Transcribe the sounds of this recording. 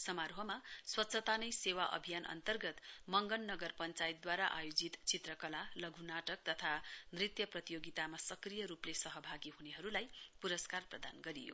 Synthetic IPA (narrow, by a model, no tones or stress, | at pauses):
sʌmaɾɦʌmaswʌt̪ːsʰʌt̪anʌjsewaʔʌ̰bʱijanʔʌ̰nt̪ʌrɡʌt̪mʌŋɡʌnːʌɡʌrpʌnt͡sajit̪̚d̪waɾaʔa̰jod͡zit̪t͡sit̪rʌkʌlalʌɡʱunaʈʌk̚t̪ʌt̪ʰanrit̪jʌprʌt̪ijoɡit̪amasʌkrijʌɾuplesʌɦʌbʱaɡiɦuneɦʌɾulajpuɾʌskarprʌd̪anɡʌɾijo̰